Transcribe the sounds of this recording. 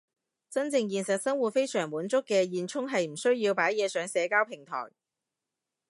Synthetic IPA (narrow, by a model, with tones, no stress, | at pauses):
t͡sɐ˥nt͡sɪ˧ŋjiː˨nsɐ˨t̚sɐ˥ŋwu˨t̚fe˥jsœː˨˩ŋwuː˨˥nt͡sʊ˥kːɛː˧jiː˨nt͡sʰʊ˥ŋɦɐ˨jm̩˨˩sɵ˥ɥjiː˧wpaː˨˥jɛː˨˧sœː˨˥ŋsɛː˨˧kaː˥wpʰɪ˨˩ŋt̪ʰɔ̰ː˨˩j